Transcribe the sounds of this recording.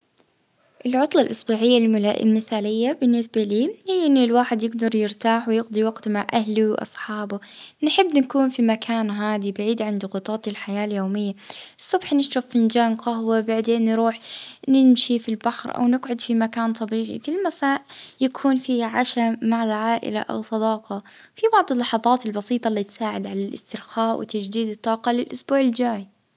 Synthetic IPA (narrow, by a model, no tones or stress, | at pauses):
ʔɪlʕʊt̪ˤlɑlʔɑsˤbuːʕɪjːalmʊla̰ʔmɪθaːlɪjːabɪnːɪsbaliːhɪjːʔɪnːilwaːħɪd̪jɪɡd̪ɑɾˤjɪɾt̪aːħwɪjɪɡd̪ˤiwɑɡt̪maʕʔahluwʔɑ̰sˤħɑːbʊnħɪbːnakuːnfimakʰaːnɦaːd̪ibaʕiːd̪ʕand̪ʊɣʊt̪ˤɑːt̪ˤɪlħajaːljoːmɪjːaɨsˤːʊbħnɪʃɾafːɪnd͡ʒaːnqɑɦwabaʕd̪eːnːɾuːħnɪmʃifilbaħɾʔa̰wnɪɡʕʊd̪fimakaːnt̪ˤɑbiːʕḭfilmasaːʔjakʰuːnfiːʕaʃamaʕalʕaːʔɪ̰la̰ʔa̰wsˤɑd̪ɑːqɑ | fibɑʕd̪ˤɨlːɑħɑðˤɑːt̪ɪlbɑsiːt̪ˤɑlːiːt̪saːʕad̪ʕalalʔɪ̰st̪ɪɾxaːʔwɪ̰t̪ad͡ʒd̪iːd̪ɨt̪ˤːɑːqɑlɪlʔʊsbuːʕɪld͡ʒaːj